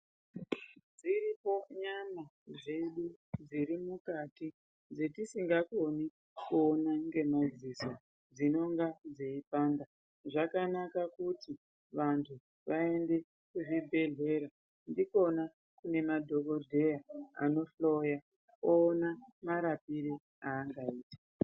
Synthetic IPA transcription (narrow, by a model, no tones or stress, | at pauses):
d͡ziɾipo̞ɲamaʐe̞ɗud͡ziɾimukati | d͡zetisiŋɡako̞ni | kuonaŋɡe̞mad͡ziso̞ | d͡zino̞ŋɡad͡zeipaːnda | ʐakanakakuti | ʋantʰu | ʋae̞nde̞ | kuʐibʱe̞ɮe̞ɾa | ndiko̞na | kune̞madʱo̞k̬o̞dʱe̞jaa̰no̞flo̞ja | oːnamaɾapiɾi | aːŋɡaiːtḁ